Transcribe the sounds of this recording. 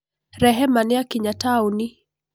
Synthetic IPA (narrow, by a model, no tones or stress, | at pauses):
ɾɛɦɛmaniakiɲatauni